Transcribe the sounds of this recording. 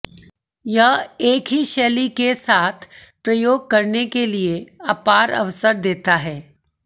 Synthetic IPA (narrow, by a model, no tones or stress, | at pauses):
jɐɦeːkɦiʃɛːlikesaːt̪ʰpɾɐjoːɡ̚kɐɾnekelieaːpaːɾɐ̰ʋsəɾd̪eːt̪aɦɛː